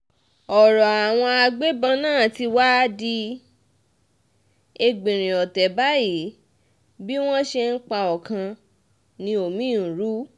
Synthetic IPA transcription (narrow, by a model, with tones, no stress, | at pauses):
ɔ˨ɾɔ˨a˨w̃ɔ̃˧a˧ɡ͡be˦bã˦˧nãː˦˨ti˧wa˦di˧ | e˧ɡ͡bĩ˨ɾ̃ĩ˨ɔ˨tɛ˨ba˦ji˨˦ | bi˦w̃ɔ̃˦ʃe˧n̩˦k͡pa˧ɔ˨kã˧ | nĩ˧o˨mĩ˦˨ɾu˦